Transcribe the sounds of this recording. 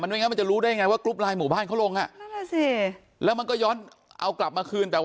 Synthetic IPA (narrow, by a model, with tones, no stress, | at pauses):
ma˧n˧u˥˩˨ŋ˧˦˥ma˧nt͡ɕa˨˩ɾuː˦˥daː˥˩ja˧ŋa˧jwaː˥˩klu˦˥p̚laː˧jmuː˨˩baː˥˩nkʰa˦˥wlo˧ŋʔa˨˩ʔsi˧˩ | lɛː˦˥wma˧nkɔː˥˩jɔː˦˥n | ʔa̰˧wkla˨˩p̚maː˧kʰɯː˧nt̪ɛː˨˩w